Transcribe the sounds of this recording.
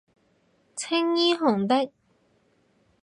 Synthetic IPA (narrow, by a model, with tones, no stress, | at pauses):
t͡sʰɪ˥ŋjiː˥ɦʊ˨˩ŋt̪ɪ˥k̚